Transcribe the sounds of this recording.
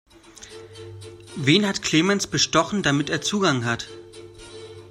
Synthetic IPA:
veːnhatkʰl̥eːmɛnsb̥əʃtɔχn̩damɪteːɐt͡suːɡaŋɦat

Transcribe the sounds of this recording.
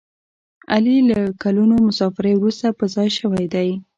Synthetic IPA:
alilakalunomʊsɑfɪɾewɾust̪apəzɑjʃəwajd̪aj

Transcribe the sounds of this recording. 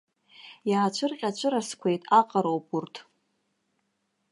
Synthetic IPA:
jaːt͡ʃʷʰɨrqʲʼat͡ʃʷʰɨɾaskʷʰe̞jtʼaqʼaɾowpʼurtʰ

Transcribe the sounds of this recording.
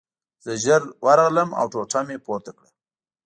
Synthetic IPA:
z̥əʒəɾwʔaɾaɣləma̰wʈoʈ͡ʂʰamepoɾt̪akɽə

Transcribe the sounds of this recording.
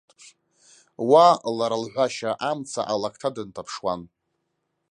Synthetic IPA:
walaɾalħʷaʃaʔamt͡sʰa̰ʔalakʰtʰadɨntʰapʰʂwan

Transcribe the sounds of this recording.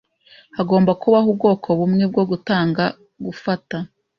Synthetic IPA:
haɡo̞ːmbakuβaɦub̚ɡo̞ːkʰo̞βumŋe̞b̚ɡo̞ɡutaːŋɡa | ɡufata

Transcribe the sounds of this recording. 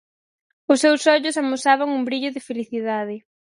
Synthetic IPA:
ʊsːewsɔʎʊsamosaβaŋumbɾiʎʊðɪfeliθiðað̞ɪ

